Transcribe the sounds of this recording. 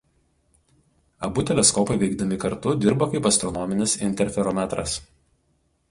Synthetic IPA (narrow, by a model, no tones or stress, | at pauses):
ɐbʊt̪ʲɛlʲɛskɔpɐɪʋʲɛɪɡ̚d̪ɐmʲɪkɐɾt̪ʊd̪ʲɪɾbɐkɐɪpɐst̪ɾɔnɔmʲɪnʲɪsɪ̰nʲt̪ʲɛɾʲfʲɛɾɔmʲæt̪ɾɐ̰s